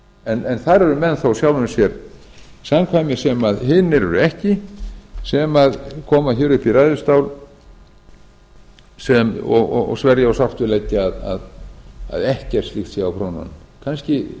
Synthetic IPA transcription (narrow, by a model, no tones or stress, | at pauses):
ɛnɛnθaɾɛɾʏmɛnːθowsjawlʏsjɛɾ | samkʰvajmɪsɛmaðɦɪnːɪɾʏ̰ɾʏɛhcɪ | sɛmaðkʰɔːmaçɛːɾʏpiɾaːðʏst̪awl | sɛmɔɣɔ̰ɣɔ̰ɣsvɛɾjaɔwsaft̪vɪlɛcːɪaða̰ða̰ðɛhcɛɾ̥slixt̪siawpʰɾowna̰n | kʰanscɪ